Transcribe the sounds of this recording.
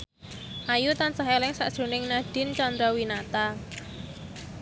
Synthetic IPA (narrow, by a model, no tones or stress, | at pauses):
ʔajut̪ansaɦelɪŋsa̰ʔd̥ʒ̥ṳnɪŋnaɖ̥ɪ̤nt͡ʃɔnd̪ɾɔwinat̪a